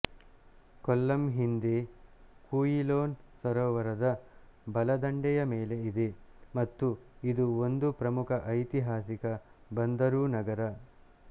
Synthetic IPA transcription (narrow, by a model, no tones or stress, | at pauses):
kɔlːɐmɦind̪ekuːjiloːnsɐɾɔːʋɐɾɐd̪ɐbɐlɐd̪ɐɳɖɛjɐmeːle̞id̪emɐt̪ːuid̪uond̪upɾɐmukʰɐʔɐjt̪iɦaːsikɐbɐnd̪ɐɾuːnɐɡɐɾɐ